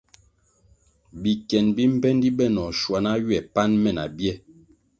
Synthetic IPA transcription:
bi˨kɛ˨nbi˦m̩˦pɛ˦ndi˦bɛ˦˨nɔ˨ʃwa˨na˦jwɛ˨pa˦nmɛ˦˨na̰˨bjɛ˦

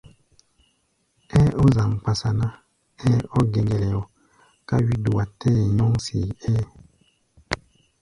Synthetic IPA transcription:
ɛ˦ʔɔ˦za˨ŋ˨k͡pa˨sa˨na˦ | ɛ˦ɔ˦ɡɛ˨ɡɛ˨lɛ˨ɔ˨ | ka˦wi˦du˨a˨tɛ˦˨ɲɔ˦ŋsḭ˨ɛː˦

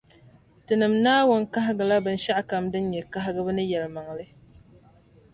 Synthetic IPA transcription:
tɨ˨nɨ˨mnaː˦wo˦nka˦ɦɪ˦ɡɨ˨la˦bɨ˨n̩˦ʃa˦ʔka˨mdɨ˦nɲɛ˨ka˦ɦɪ˦ɡɨ˦bɨ˦nɨ˦jɛ˨lma˨ŋlɨ˦

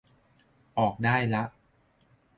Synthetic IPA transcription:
ʔɔː˨˩k̚daː˥˩jla˦˥ʔ

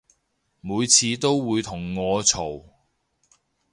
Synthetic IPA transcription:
muː˨˧jt͡sʰiː˧t̪o˥wwuː˨˧jt̪ʰʊ˨˩ŋːɔː˨˧t͡sʰo˨˩w

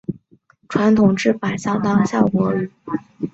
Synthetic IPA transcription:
ʈ͡ʂʰwa˧˥nt̪ʰʊ˨˩ŋʈ͡ʂɻ̩˥˩pa˨˩ɪɕjɑ˥ŋt̪ɑ˥ŋɕjɑ˥˩ʊkwɔ˧˥lu˨˩˦

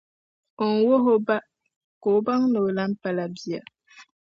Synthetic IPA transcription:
o˨ŋ˨wo˦ɦo˦ba˦ | ko˨ba˦ŋno˨la˦m̩˦pa˦la˨bi˨a̰˨

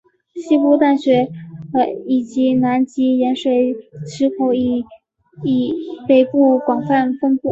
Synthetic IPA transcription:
ɕi˥pu˥˧t̪a˥˩nɕɥɛ˧˥˧ | i˨˩t͡ɕi˧˥na˧˥nt͡ɕi˧˥jɛ˧˥nʂwe˨˩ɪʈ͡ʂʰɻ̩˧˥kʰo˧˥ʊi˨˩ | i˨˩pe˨˩ɪpu˥˩kwɑ˨˩ŋfa˥˩nfɤ˥ŋpu˥˩

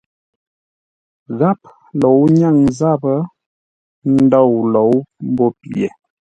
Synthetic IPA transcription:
ɣa˦p̚ | lɔ˨wɲa˦˨ŋza˦˨bə˦ | n̩˦dɔ˦˨wlɔ˨˦wm̩˦bo˦pḛ˨

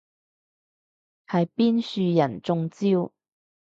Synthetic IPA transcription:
hɐ˨jpiː˥nsyː˧jɐ˨˩nt͡sʊ˧ŋt͡siː˥w

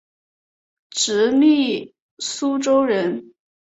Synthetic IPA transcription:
ʈ͡ʂɻ̩˧˥li˥˩ | su˥ʈ͡ʂo˥ʊɻə˧˥n

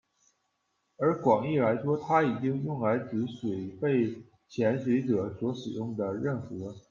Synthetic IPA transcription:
ə˞˧˥kwɑ˨˩ŋi˥˩la˧˥ɪʂwɔ˥t̪ʰa˥i˨˩t͡ɕi˥ŋjʊ˥˩ŋla˧˥ɪʈ͡ʂɻ̩˧˥ʂwe˨˩ɪpe˥˩ɪ | t͡ɕʰjɛ˧˥nʂ̬we˧˥ɪʈ͡ʂɤ˨˩˦swɔ˧˥ʂɻ̩˨˩jʊ˥˩ŋd̪ə˩ɻə˥˩nfu˧˥

